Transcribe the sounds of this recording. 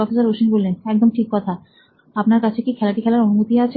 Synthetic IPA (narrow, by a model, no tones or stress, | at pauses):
ɔfisaɾoʃinbolːenɛk̚d̪omʈʰikːɔt̪ʰa | apnaɾkat͡ɕʰekikʰɛlaʈikʰɛlaɾonumot̪iat͡ɕʰe